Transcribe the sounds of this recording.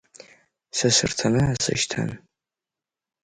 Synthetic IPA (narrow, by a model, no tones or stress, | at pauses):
sɐsɨrtʰɐnɨasɨ̰ʃtʰa̰n